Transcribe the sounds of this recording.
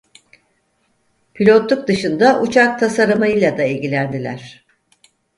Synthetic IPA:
pʰilʲo̞t̪lˠuk̚d̪ɯʃɯnd̪aʔut͡ʃʰak̚t̪ʰasaɾɯmajɯlˠad̪ailʲɟilʲænd̪ilʲæ̰ɾ̝̥

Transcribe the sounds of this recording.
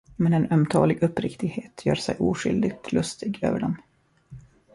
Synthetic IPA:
mɛnɛnœmt̪ʰɑ̰ːlɪɡɵpːɾɪkt̪ɪɡheːt̪ʰjœːɾʂɛ̰jʔuːɧʏld̪ɪɡ̚t̪ʰlɵst̪ɪɡø̰ːvəɖɔm

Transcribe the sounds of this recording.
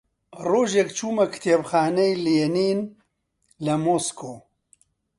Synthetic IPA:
roːʒekt͡ʃʰuːmɐkt̪ʰebxaːnɐjljeniːn | lɐmoskoː

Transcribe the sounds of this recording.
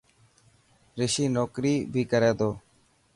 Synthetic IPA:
ɾɪʃiːnoːkɾiːbʱiːkəɾeːd̪oː

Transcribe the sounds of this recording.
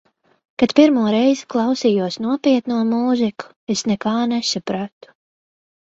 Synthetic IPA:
kat̪piɾmuɔɾɛjziklˠɑwsijuɔsnuɔpiɛt̪nuɔmuːziku̥ | esnɛkaːnɛsapɾat̪u̥

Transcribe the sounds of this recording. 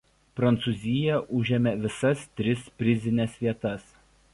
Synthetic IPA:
pɾɐnt̪sʊzʲɪjɛʔʊʒʲɛmʲɛʋʲɪsɐst̪ʲɾʲɪspʲɾʲɪzʲɪnʲɛsʋʲiɛt̪ɐs

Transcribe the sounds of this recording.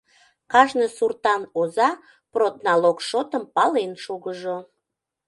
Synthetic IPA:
kɑʃnəsurt̪ɑnozɑ | prot̪nɑlokʃot̪əmpɑlenʃuɣəʒo

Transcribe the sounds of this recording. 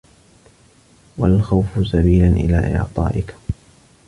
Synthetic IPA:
walxawfʊsabiːlanʔɪ̰laːʔɪ̰ʕt̪ˤɑ̰ːʔɪk

